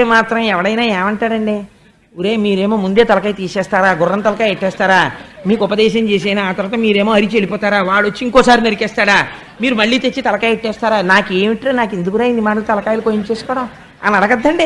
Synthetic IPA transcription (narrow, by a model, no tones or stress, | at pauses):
eːmaːt̪ɾɐmɛʋɐɽɐjnaːeːmɐɳʈaːɾɐɳɖi | uɾeːmiːɾeːmo̞ːmund̪eːt̪ɐlɐkaːjt̪iːsɛːst̪aːɾaːɡʊrːɐnt̪ɐlɐkaːjeʈːɛːst̪aːɾaːmiːkupɐd̪ɛːʃɐmt͡ʃeːs̬ɛjnaːaːt̪ɐɾʋaːt̪ɐmiːɾeːmoːɐɾit͡ʃelipɔːt̪aːɾaːʋaːɭot͡ʃːiiŋkɔːsaːɾinɐɾikɛːst̪aːɽaː | miːɾumɐɭːiːt̪et͡ʃːit̪ɐlɐkaːjeʈːɛːst̪aːɾaːnaːkeːmiʈːɾeːnaːkend̪ukɡuɾaːjind̪imaːɽɐlut̪ɐlɐkaːjɐlukoːjiɲt͡ʃe̞ːsu̥kɔːɽɐm | ɐ̰nɐɽɐɡɐd̪ːɐɳɖi